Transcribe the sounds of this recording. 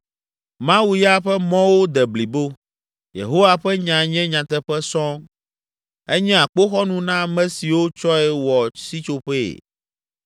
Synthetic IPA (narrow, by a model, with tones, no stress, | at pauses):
mã˦wu˦ja˦ɸɛ˦mɔ̃˦wo˦d̪ɛ˨bli˨bo˦ | jḛ˨ɦo˦wa˨ɸɛ˦ɲã˨ɲɛ̃˦ɲã˨t̪ɛ˦ɸɛ˦sɔ̃˦ | ɛ˦ɲɛ̃˦a˨k͡po˦xɔ˦nũ˨nã˦˨mɛ̃˦si˨wo˦t͡ʃɔ˦ɛ˨wɔ˨si˦t͡ʃo˨ɸḛ˦˨